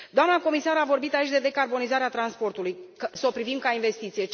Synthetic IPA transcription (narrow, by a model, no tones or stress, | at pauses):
d̪oamnəko̞misaɾavo̞rbit̪ait͡ʃʲd̪e̞d̪e̞karbo̞nizaɾeat̪ɾanspo̞rt̪ulujksopɾivimkainve̞st̪it̪sije̞